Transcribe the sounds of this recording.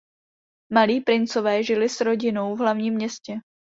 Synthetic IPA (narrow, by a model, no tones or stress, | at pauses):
maliːpɾɪnt͡sovɛːʒɪlɪsɾo̞ɟɪno̞wvɦlavɲiːmɲɛscɛ